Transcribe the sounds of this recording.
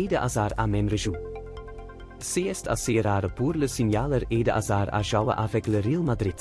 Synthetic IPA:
eːdəʔazaːɾa̰mɛmrəʒu | seːɛstʰa̰seːəɾaːɾəpuːrləsinjaːləreːdəʔa̰zaːɾa̰ʒɑwə̰ʔavɛkləɾilˠmadrɪt

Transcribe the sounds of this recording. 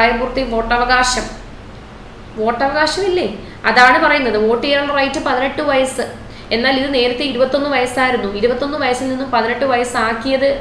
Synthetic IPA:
ajɐmbuːrt̪ːiʋo̞ːʈːɐʋɐɣaːɕɐm | ʋo̞ːʈːɐʋɐɣaːɕɐmilːe | ɐðaːɳɨpɐrɐjunːɐðɨʋo̞ːʈːijeɾɐɳːɖɨrɐjtːɨpɐðineʈːɨʋɐjɐsɨ | e̞nːaːliðɨne̞ːɾɐt̪ːeiɾubɐt̪ːo̞nːɨʋɐjɐsaːjiɾunːuiɾubɐt̪ːo̞nːɨʋɐjɐsilninːumpɐðineʈːɨʋɐjɐsaːkːijɐðɨ

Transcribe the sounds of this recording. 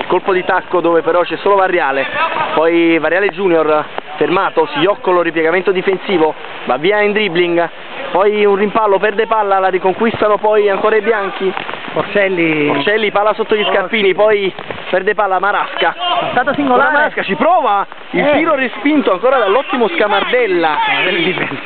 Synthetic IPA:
ilkolpod̪it̪akːod̪oːvepeɾɔt͡ʃɛsːoːlovarːjaːlepɔjvaɾjaːled͡ʒuːnjorfermaːt̪osiɔkːoloripjɛɡament̪od̪ifensiːvo | va̰vːiːaind̪ɾibliŋɡ | pɔjunrimpalːopɛrd̪epalːalaɾikoŋkwist̪anopɔjaŋkoːɾaebjaŋk̟iort͡ʃɛlːiort͡ʃɛlːipaːlːasot̪ːoʎiskarpiːnipɔj | pɛrd̪epaːlːamaɾaskaat̪aːt̪osiŋɡolaamaɾaskat͡ʃipɾɔːva | ilt̪iːɾorespint̪oaŋkoːɾad̪alːɔt̪ːimoskamard̪ɛlːaeliɛ

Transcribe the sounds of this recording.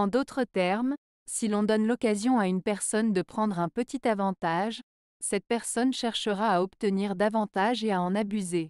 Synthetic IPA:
ɑ̃d̪ot̪χət̪ɛʁm | silɔ̃d̪ɔnlɔkazjɔ̃aynpɛʁsɔnd̪əpχɑ̃d̪ʁɛ̃pət̪it̪avɑ̃t̪aʒ | sɛt̪̚pɛʁsɔnʃɛʁʃəʁaːɔpt̪əniʁd̪avɑ̃t̪aʒeaɑ̃nabyze

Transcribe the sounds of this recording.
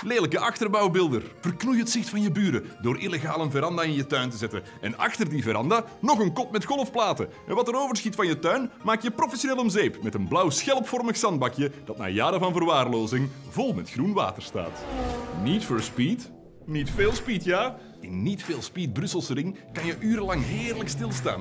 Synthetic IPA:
leːləkəʔɑxtərbɑwbɪlˠdərv̥ərknujəɦətsɪxtfɑnjəbyːɾədoːɾʔɪleɣaːlənvəɾɑndaɪnjətœɥntəzɛtən | ɛ̰nɑ̰xtərdivəɾɑndaːnɔxənkɔtmɛtxɔlˠfplaːtə | ɛnʋɑtəɾoːvərsxitfɑnjətœɥnmaːkjəprofɛsioneːlɔmzeːpmɛtənblɑwsxɛlˠpfɔrməxsɑn̚bɑkjəd̥ɑtna̰ːjaːɾəvɑnvərʋaːrloːzɪŋvɔlˠmɛtxrunʋa̰ːtər̥sta̰ːtnitføɹspit | nitfeːlˠspiːtjaː | ɪnːitfeːlˠspiːt̚brʏsəlˠsərɪŋkɑnjəʔyːɾəlɑŋɦɪːrləkstɪlˠsta̰ːn

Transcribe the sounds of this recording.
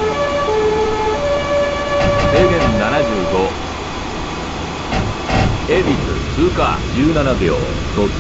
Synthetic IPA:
seːɡẽnːanaʑɨːɡo̞ | ebʲisɨ̰sɨːka̰ːd͡ʑɨːnanaɡjo̰ː | t̪o

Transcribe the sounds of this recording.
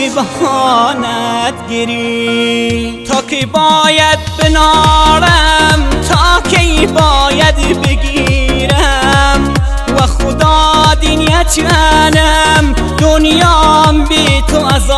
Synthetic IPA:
bahɔnat̪ɡeɾi | t̪ʰɑːkʰebɔːjad̪̚benɔɾamt̪ʰɑkʰejbɔːjad̪beɡiɾam | waxʊd̪ɑːd̪iniat͡ʃʰianam | d̪onjɔːmbet̪ʰoaz

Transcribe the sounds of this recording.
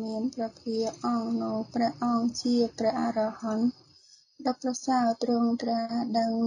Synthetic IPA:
miənprɑpʰiəʔɑnoːprɛ̆əʔʔɑːŋt͡ɕiəprɛ̆əhʔarɑhɑn | ɗɑprɑsaət̪rʊəŋt̪raːɗəŋ

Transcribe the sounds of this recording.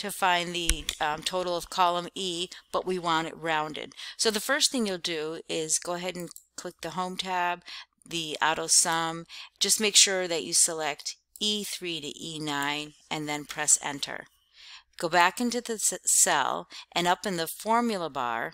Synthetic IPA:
tʰɨfãɪ̃nðɨtʰoʊɾl̩ˠʌv̥kʰɑlˠə̃mib̥ʌʔwiwɑ̃ɾ̃ɨ̰t̚ɹãʊ̃ndɨ̰d̥̚soʊðɨfɜ˞sθɪ̃ŋjul̩ˠdɨɪzɡoʊəɦɛɾn̩kʰl̥ɪk̚ðɨɦõʊ̃mtʰæb̚ | ðiɑ̰ɾoʊsʌ̃md͡ʒ̥ʌs̚meɪkʃʊɹðɨt͡ʃɨsəlɛk̚t | iθɹiɾɨ̰ʔinãɪ̃nʔɨ̃nðɨ̃npʰɹ̥ɛsɛ̰̃ntʰə̰˞ | ɡ̥oʊbækɪ̃ntʉðɨsɛ̰lˠʔɨ̃nʌpɨ̃nðəfɔɹmjl̩ˠəbɑ̰ɹ

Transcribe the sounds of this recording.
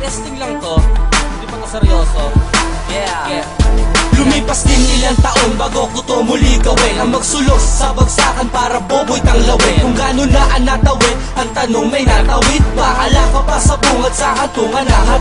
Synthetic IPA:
ɛst̪ɪŋlɐŋt̪od̪imɐkɐsɛɾoːso | lʊmiːpɐsd̪ɪnɪlaŋt̪ɐʔo̞nbaːɡokʊt̪omʊliɡɐwɛɐmɐɡ̚sʊloksɐsɐbɐɡsaːkɐnpaːɾɐboːbʊjt̪ɐŋlɐwɛkʊŋɡaːnonaʔɐnːat̪ɐwɛt | ʔɐŋt̪ɐnoŋmɐjnat̪ɐwɪt̪̚bɐkɐlakɐpɐsɐbʊŋɐd̪̚sɐhɐt̪uŋɐnahɐ

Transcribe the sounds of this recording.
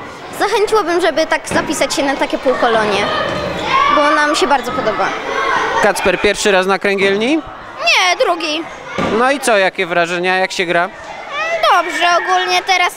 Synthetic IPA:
zaxɛɲt͡ɕiwabɘmʐɛbɘt̪aɡzapʲisat͡ɕɕɛnat̪akʲɛpuwkɔlɔɲɛ | bɔnamʲɕɛbaɾd̪zɔpɔd̪ɔbakat̪spɛɾpʲjɛɾfʂɘɾasnakɾɛŋɡʲjɛlɲi | ɲɛd̪ɾuɡʲi | nɔit̪sɔjakʲɛvɾaʐɛɲajakɕɛɡɾa | d̪ɔbʐɛɔɡulɲɛt̪ɛɾas

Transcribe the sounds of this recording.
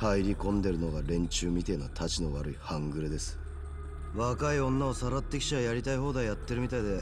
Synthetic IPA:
haiɾʲikõ̞nd̪e̞ɾɯ̟no̞ɡaɾẽ̞ɲ̟t͡ɕɨːmʲit̪e̞nat̪ʰat͡ɕino̞βaɾɯ̟ihãŋɡɯ̟ɾɯd̪e̞sɨ̥ | βakaiõ̞nːao̞saɾat̪ːe̞kʲi̥ɕiβajaɾʲit̪aiɦo̞ːd̪ajat̪ːe̞ɾɯ̟mʲit̪aid̪e̞

